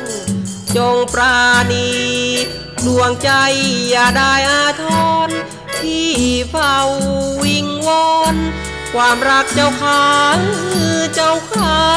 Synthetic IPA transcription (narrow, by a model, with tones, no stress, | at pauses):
t͡ɕo˧ŋpɾaː˧ni˧ | du˧˩əŋt͡ɕa˧jːaː˧˩daː˧˩jʔaː˧t̪ʰɔː˧˥n | t̪ʰiː˧˩pʰa˧wːi˧ŋwɔː˧˥n | kʰwaː˧mɾa˧˥k̚t͡ɕa˧wkʰaː˧˩˧kɯ˩˧t͡ɕa˧wkʰaː˧